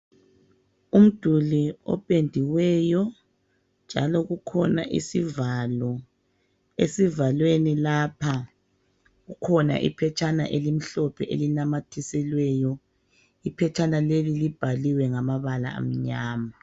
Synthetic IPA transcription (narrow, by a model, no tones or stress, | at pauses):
um̩d̥ʱuliɔ̰pʼendʱiwɛjɔ | nd͡ʒʱa̰lɔɣukʰɔna̰ʔḭsivalɔ | esivalwenilapʰa | ɣukʰɔna̰ʔḭpʰɛt͡ʃʰʼana̰ʔelim̩ɬɔpʰɛʔelinamatʰisɛlwɛjɔ | ipʰɛt͡ʃʰʼanalelilib̥ʱaliwɛŋamaβala̰a̰m̩ɲaːma